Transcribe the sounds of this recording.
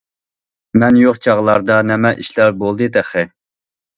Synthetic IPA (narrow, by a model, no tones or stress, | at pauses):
mɛnjoqt͡ʃʰɑʁlˠɑɾd̪ɑnɛmɛʔiʃlæɾbolˠd̪ɨt̪ʰɛχɪ